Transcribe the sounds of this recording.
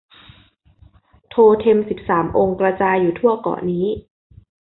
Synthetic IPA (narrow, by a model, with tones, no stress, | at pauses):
t̪ʰoː˧t̪ʰe˧msi˨˩p̚saː˩˦mʔoː˧ŋkɾaː˧t͡ɕaː˧jːuː˨˩t̪ʰu˥˩ɐəkɔ̰ː˨˩niː˦˥